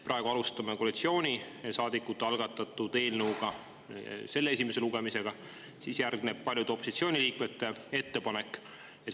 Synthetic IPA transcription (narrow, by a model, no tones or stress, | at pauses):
prʔɑeɡ̥uɑlust̪ɑmekoːlit̪sio̞ːnʲi | sɑːd̪ikːˑut̪ːɑlɡɑt̪ːˑɑt̪ːˑut̪e̞ːlnəwɡ̥ɑ | se̞lːee̞s̬ʲimese̞luɡ̥e̞mise̞ɡ̥ɑ | siːsjærɡ̥neb̥̚pɑljud̪eo̞pːˑosit̪sio̞ːnʲiliːkmet̪ːe̞e̞t̪ːe̞pɑne̞kːˑ | je